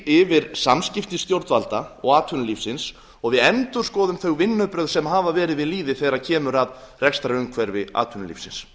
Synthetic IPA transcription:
ɪvɪɾ̥samscɪft̪ɪst̪jowɾt̪valt̪aɔɣaːt̪ʰʏnʏlifsɪns | ɔɣvɪðɛnt̪ʏɾ̥skɔːðʏmθœɣvɪnːœpɾœɣsɛmɦaːvavɛːɾɪðvɪðliːðɪθejɾacʰɛːmʏɾaðrɛkst̪aɾʏmkʰvɛɾvɪa̰ːt̪ʰʏnʏlḭfsɪ̰ns

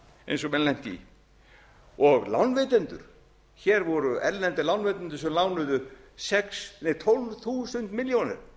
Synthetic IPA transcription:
ḛjnsɔmɛlɛn̥t̪ḭ | ɔɣla̰wnːvɪːt̪ɛnt̪ʏ̰ɾ̥ | çɛɾvɔɾʏɛɾlɛnt̪ɪlawnveːt̪ɛnt̪ʏɾ̥sɛmlawnʏðʏsɛksnet̪ʰolvθuːsʏnt̪mɪljownɛ̰ɾ̥

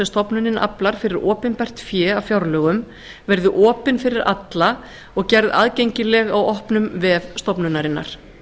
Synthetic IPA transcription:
ɛst̪ɔpnʏnɪnʔa̰plaɾ̥fɪɾɪɾɔːpɪnpɛr̥t̪fjɛːavfjawɾlœːɣʏm | vɛɾðʏʔɔːpɪnfɪɾɪɾa̰t̪la | ɔɣcɛɾða̰ːðcejɲcɪlɛɣawɔhpnʏmvɪðst̪ɔpnʏnaɾɪnːa̰ɾ̥

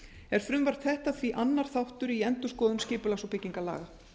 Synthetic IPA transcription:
ɛɾ̥fɾʏmvar̥t̪θɛht̪aθviʔanːaɾ̥θawht̪ʏɾiɛnt̪ʏskɔːðʏmscɪːpʏlasopɪcːiŋkala̰ːɣa

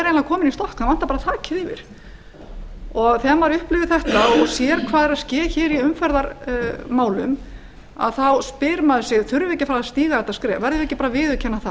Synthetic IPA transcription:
ɛɾejnlakʰɔːmɪnist̪ɔhkavan̥t̪apaɾat̪ʰaːcɪðɪvɪ̰ɾ̥ | ɔɣθɛmaɾʏhplɪvɪðθɛht̪aɔɣsjɛːɾkʰvaːðɛɾaðscɛːçɛːɾiʏmfɛɾðaɾmaːwlʏm | a̰ðθawspɪɾmaðʏsɪɣθʏɾvɛcːɪfɾaaðst̪iːɣaθɛht̪ːaskɾɛːvɛɾðʏɛcːɪpaːɾavɪːðʏcʰɛnːaθa

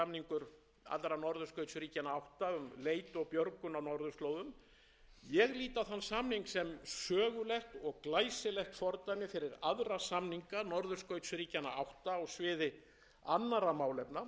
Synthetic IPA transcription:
amniŋkʏɾ | a̰t̪lɾanɔɾðʏskœɥt̪sʏɾiːcanaawht̪aʏmleːjt̪ɔɣpjœɾkʏnawnɔɾðʏst̪lowðʏm | jɛɣliːt̪aθanːsamniŋksɛmsœːɣʏlɛxt̪ɔɣklaːjsɪlɛxt̪fɔɾt̪amɪfɪɾɪɾaðɾasamniŋkanɔɾðʏskœɥt̪sʏɾiːcanaawht̪aɔɣsvɪːðɪ | anːaɾamaːwlɛpna

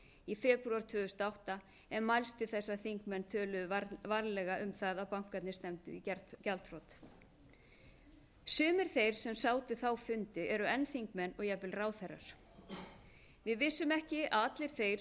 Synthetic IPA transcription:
ifɛːpɾuaɾ̥t̪ʰvʏːðʏst̪awht̪a | ɛnmajlst̪ɪθɛsːaθiŋkmɛnːt̪ʰœːlʏðvaɾlɛɣaʔʏmθaðawpawŋ̥kat̪nɪst̪ɛmt̪ʏ̰iɛcɛlt̪rɔt̪ | sʏːmɪɾ̥θejɾ̥sɛmsaːwt̪ɪθawfʏnt̪ɪɛɾʏɛnːθiŋkmɛnɔɣjɛpɪlraːwθɛrːa̰ɾ̥ | vɪðvɪsːʏmɛhcɪaat̪lɪɾ̥θejɾ

